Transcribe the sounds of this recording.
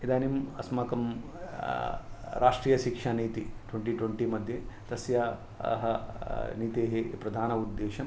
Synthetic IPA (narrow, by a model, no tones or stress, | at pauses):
id̪aːnimɐsmɐkɐm | ɾaːʂʈɾiːjɐʃikʂaniːt̪iʈweɳʈiʈwɐɳʈimɐd̪ʱjet̪ɐsjaː | ɦɐ̰niːt̪eːɦepɾɐd̪ʱaːnɐud̪ːeːʃɐm